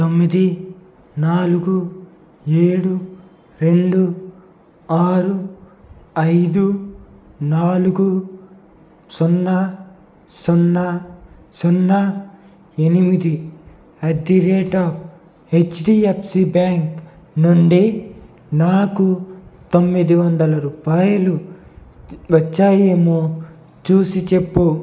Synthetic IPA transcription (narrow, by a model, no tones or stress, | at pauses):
t̪omːid̪i | naːluɡu | eːɽu | ɾe̞ɳɖu | aːɾu | ɐjd̪u | naːluɡu | sɔnːɐ | sɔnːɐ | sɔnːɐ | e̞nimid̪i | ɐd̪iɾeːʈaːpʰ | et͡ʃɖiepʰsibaːŋk | nuɳɖi | naːkut̪omːid̪iʋɐnd̪ɐlɐɾupaːjulu | ʋɐt͡ʃːaːjeːmoː | t͡ʃuːsit͡ʃe̞pːu